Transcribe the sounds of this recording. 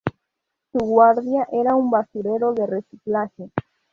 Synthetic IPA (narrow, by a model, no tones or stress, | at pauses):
suɣwaɾðjaʔeɾaumbasuɾeɾoðe̞resiklaʝe